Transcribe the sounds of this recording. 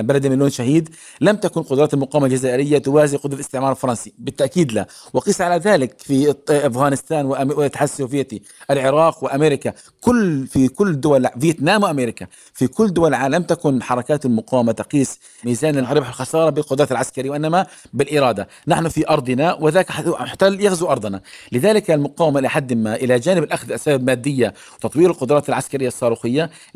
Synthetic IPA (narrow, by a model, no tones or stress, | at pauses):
balad̪mɪlːoːnʃaɦiːd̪ | lamt̪akʊnqʊd̪ɾɑːt̪almʊqɑːwamald͡ʒazaːʔɪɾɪjːat̪ʊwaːzɪʔqʊd̪ˤɾalɪst̪ɪʕmɑːɾˤɪlfɑɾˤɑnsibɪt̪ːaʔkiːd̪la | wɪqiːsˤʕalaðaːlɪkfiʔafɣaːnɪst̪aːnwɪt̪ːaħasovɪjːat̪i | ʔalʕɪɾˤɑːqwɪʔameːɾɪka | kʊlːfikʊlːd̪ʊwalvijat̪naːmwɪʔameːɾɪka | fikʊlːd̪ʊwalʕaːlamt̪akʊnħɑɾˤɑkaːt̪almʊqɑːwamat̪ɑqiːsˤ | miːzaːnɪlɾɪbħɪlxɑsɑːɾˤɑbɪlqʊd̪ˤɾɑːt̪alʕaskaɾiwɪʔɪnːamabɪlʔɪɾˤɑːd̪a | naħnʊfiʔɑɾˤd̪ˤɨnawɪðaːkħt̪aːljaxzuʔɑɾˤd̪ˤɑnalɪðaːlɪkalmʊqɑːwmaʔlħad̪ːɪmːaʔɪlad͡ʒaːnɪbɪlʔaxðʔasaːbbmaːd̪ːɪjːa | wɪt̪ɑt̪ˤwiːɾɪlqʊd̪ɾˤɑːt̪alʕaskaɾɪjːaɑsˤːɑːɾuːxɪjːa